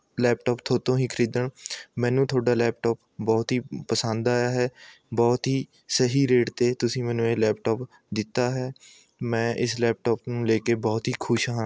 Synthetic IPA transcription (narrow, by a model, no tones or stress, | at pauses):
lɛːpʈɔːpt̪ʰoːt̪õːɦĩːkʰəɾiːd̪əɳmɛ̃ːnũːt̪ʰoːɖaːlɛːp̚ʈɔːp | bɔːt̪ɦiːpəsə̃nd̪aːjaːɦɛː | bɔːt̪ɦiː | səɦiːɾeːʈt̪eːt̪ʊsĩːmɛ̃ːnũːẽːlɛːpʈɔːp | d̪ɪt̪ːaːɦɛː | mɛ̃ːʔɪslɛːp̚ʈɔːpnũːleːkebɔːt̪ɦiːkʰʊʃɦãː